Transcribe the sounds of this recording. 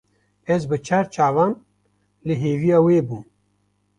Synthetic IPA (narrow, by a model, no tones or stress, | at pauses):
ɛzbɨt͡ʃʰaːɾt͡ʃʰaːvɑːn | lɨɦeːvijaːweːbuːm